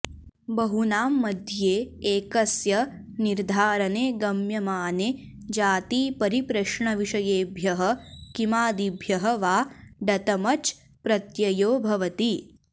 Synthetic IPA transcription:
bɐɦunaːmːɐd̪ʱjeːeːkɐsjɐ | niɾd̪ʱaːɾɐneːɡɐmjɐmaːne | d͡ʒaːt̪iːpɐɾipɾɐʂɳɐʋiʂɐjeːbʱjɐɦɐ̆kimaːd̪ibʱjɐɦɐʋaːɖɐt̪ɐmɐt͡ʃ | pɾɐt̪jɐjoːbʱɐʋɐt̪i

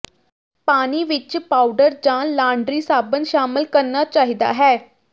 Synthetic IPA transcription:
paːniːʋɪt͡ʃpaːʊɖəɾd͡ʒãːlãːɳɖɾiːsaːbənʃaːmɪlkəɾnat͡ʃaːɦid̪a̰ːɦɛː

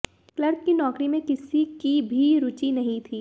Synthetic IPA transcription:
klɐɾt̚kinɔːkɾimẽkɪsikibʱiɾʊt͡ʃinɐɦĩt̪ʰiː

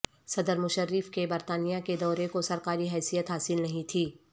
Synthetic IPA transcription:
sɐd̪əɾmʊʃəɾːɪfkebɐɾt̪aːnijaked̪ɔːɾekosɐɾkaːɾiɦɛːsijət̪ɦaːsɪlnɐɦĩt̪ʰiː

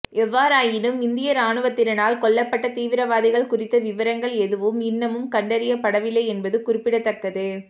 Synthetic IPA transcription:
ɛʋːaːɾaːjɪnɯmɪnd̪ɪjɐɾaːɳɯʋɐt̪ːɪɾɐnaːlkɔɭːɐpːɐʈːɐt̪iːʋɪɾɐʋaːðɪɣɐɭkʊrɪt̪ːɐʋɪʋɐɾɐŋɡɐɭɛðɯʋɯmɪnːɐmɯmkɐɳɖɐɾɪjɐpɐɽɐʋɪlːɐɪɛnbɐðɯkʊrɪpːɪɽɐt̪ːɐkːɐðɯ

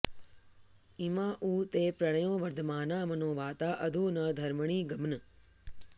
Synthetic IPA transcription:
imãːʔuːt̪eːpɾɐɳ̃əjõːʋɐɾd̪ʱmaːnaːmɐnõːʋaːt̪aːʔɐd̪ʱuːnɐd̪ʱɐɾməɳ̃iːɡɐmnɨ

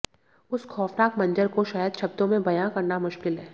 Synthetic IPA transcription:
ʊskʰɔːfnaːkmɐ̃nd͡ʒəɾkoʃaːjəd̪ʃɐb̚t̪õmẽbɐjãkɐɾnamʊʃkɪlɦɛː

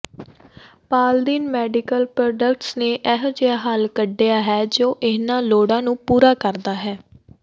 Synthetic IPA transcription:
paːld̪iːnmɛːɖɪkəlpɾoːɖəkʈsneːʔɛɦd͡ʒeaːɦalkəɖːejaːɦɛːd͡ʒoːʔɪnãːloːɽãːnũːpuːɾaːkəɾd̪aːɦɛː

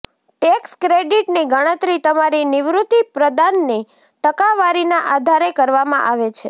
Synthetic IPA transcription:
ʈekskɾeɖiʈniɡəɽ̃ət̪ɾit̪əmaɾinɪʋɾut̪ipɾəd̪anːi | ʈəkaʋaɾinaʔad̪ʱaɾekəɾʋamã̰ʔaʋet͡ʃʰḛ

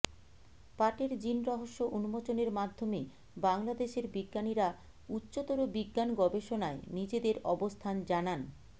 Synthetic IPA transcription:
paʈeɾd͡ʑinɾɔɦoʃːoʔunumot͡ɕoneɾmad̪ʱːome | baŋlad̪eʃeɾbiɡːaniɾa | utːɕot̪oɾobiɡːanɡɔbeʃonaenid͡ʑed̪eɾɔbost̪ʰand͡ʑanan

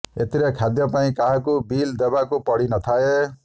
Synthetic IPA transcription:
et̪iɾekʰad̪jɔpaĩkaɦãkubild̪ebakupɔɽinɔt̪ʰae

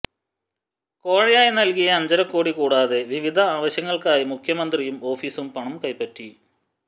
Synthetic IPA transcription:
ko̞ːɻɐjaːjinɐlkijɐːɲd͡ʑɐɾɐkːo̞ːɽikuːɽaːðe̞ʋiʋid̪ʱɐaːʋɐɕjɐŋːɐɭkaːjimukʰjɐmɐnd̪rijumo̞ːfiːsumpɐɳɐmkɐjpːɐtːi

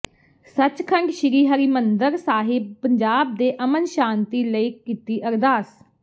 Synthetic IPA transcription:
sət͡ʃkʰə̃ŋɡʃɪɾiːɦaːɾiːmənd̪əɾsaːɦɪb̚pəɲd͡ʒaːb̚d̪eːʔəmənʃaːnt̪iːləiːkiːt̪iːʔəɾd̪aːs

